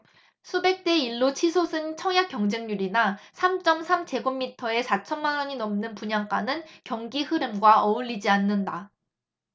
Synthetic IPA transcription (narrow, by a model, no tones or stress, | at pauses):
sʰube̞k̚t͈e̞iɭːot͡ɕʰisʰosʰɯnt͡ɕʰʌŋjak͈jʌŋd͡ʑe̞ŋɲuɾinasʰamt͡ɕ͈ʌmsʰamt͡ɕe̞ɡomːitʰʌe̞sʰat͡ɕʰʌnmanwʌɲinʌmnɯnpuɲaŋk͈anɯnkjʌŋɡihɯɾɯmɡwaʌuʎːid͡ʑianːɯnda